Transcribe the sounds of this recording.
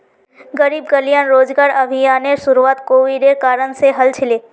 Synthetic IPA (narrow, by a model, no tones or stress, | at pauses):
ɡəɾiːbɡəlijãnɾoːd͡ʒɡaːɾəbʱijaːneʃʊɾuaːt̪koːʋiɖekaːɾənseɦəlt͡ʃʰɪleː